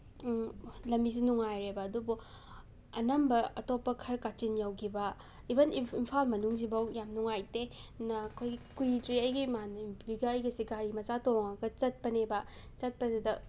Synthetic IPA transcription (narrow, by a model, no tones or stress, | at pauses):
lɐmbizinuŋajɾebɐɐdubu | ɐnɐmbɐɐtopːɐkʰɐɾkat͡ʃinjawkʰibɐ | ibɐniimpʰalmɐnuŋzibɐwjamnuŋajtenɐkʰojɡikujtɾiɐjɡimanubiɡɐːjɡɐsiɡaɾimɐzatoŋɐɡɐt͡ʃɐt̚pɐnebɐt͡ʃɐt̚pɐnedɐ